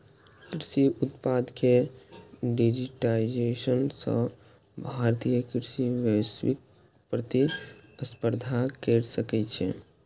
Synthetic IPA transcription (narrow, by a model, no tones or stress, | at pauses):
kɾisiut̪pad̪ke | ɖid͡ʒiʈaid͡ʒesənsə̰̃ | bʱaɾt̪ijəkɾisiʋjəswḭk̚ | pɾət̪iəspəɾd̪ʱakɛɾsəkɛt͡ʃʰɛ̰